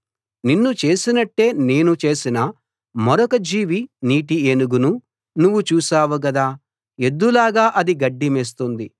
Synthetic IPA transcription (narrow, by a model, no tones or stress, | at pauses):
ninːut͡ʃe̞ːsinɐʈːe̞ːne̞ːnut͡ʃe̞ːsinɐ | mɐɾɔkɐd͡ʒiːʋiniːʈienuɡunu | nuʋːut͡ʃuːsaːʋuk̬ɐd̪aː | e̞d̪ːulaːɡaːʔɐd̪iɡɐɖːimeːs̬t̪und̪i